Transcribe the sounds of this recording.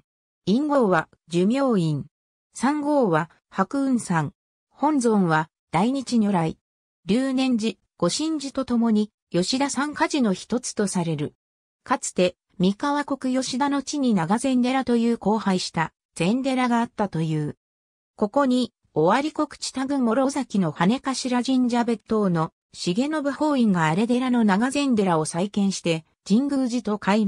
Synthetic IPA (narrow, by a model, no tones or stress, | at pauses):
ĩŋɡo̞ːβa | d͡ʑɨmʲjo̞ːĩŋ | sãŋɡo̞ːβa | hakɯ̟ɯ̟̃ɰsãŋ | hõ̞nzõ̞ɰ̃βa | d̪̥aiɲ̟it͡ɕiɲo̞ɾai | ɾʲɨːnẽ̞ɲ̟d͡ʑi | ɡ̥o̞ɕĩɲ̟d͡ʑit̪o̞t̪o̞mo̞ɲ̟i | jo̞ɕid̪asãŋkaʑino̞çi̥t̪o̞t͡sɨ̥t̪o̞saɾe̞ɾɯ̟ | kat͡sɨ̥t̪e̞ | mʲikaβako̞kɯ̟jo̞ɕid̪ano̞t͡ɕiɲ̟inaɡazẽ̞nd̪e̞ɾat̪o̞jɯ̟ːko̞ːhaiɕi̥t̪a | z̥ẽ̞nd̪e̞ɾaɡaːt̪ːat̪o̞jɯ̟ː | ko̞ko̞ɲ̟i | o̞βaɾʲiko̞kɯ̥t͡ɕi̥t̪aɡɯ̟̃ŋɡo̞ɾo̞zakʲino̞hane̞kaɕiɾaʑĩɲd͡ʑabet̪o̞ːno̞ | ɕiɡe̞no̞bɯ̟ho̞ːĩŋɡaːɾe̞d̪e̞ɾano̞naɡazẽ̞nd̪e̞ɾao̞saikẽ̞ɰ̃ɕi̥t̪e̞ | d͡ʑĩŋɡɯ̟ːʑit̪o̞kai